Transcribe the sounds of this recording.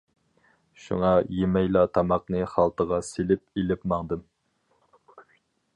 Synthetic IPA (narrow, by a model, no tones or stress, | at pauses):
ʃṵŋɑjemɛjlˠɑt̪ʰɑmɑqnɨχɑlˠt̪əʁɑselɪp̚elɪpmɑŋd̪ɨm